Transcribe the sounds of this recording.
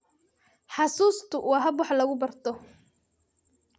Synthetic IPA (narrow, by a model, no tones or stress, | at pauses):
ħɑsuːst̪ʰʊwɑːɦɐbwɑħlɐɣʊbɐrt̪ʰɔ